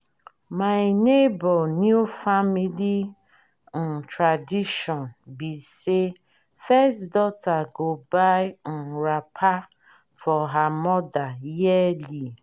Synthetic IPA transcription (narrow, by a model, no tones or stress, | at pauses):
maɪnebɔlnjufamili | n̩tɾadiʃɔnbise | fɛsdɔtaɡobajɪn̩ɾapʰa | fɔɦamɔdajɛli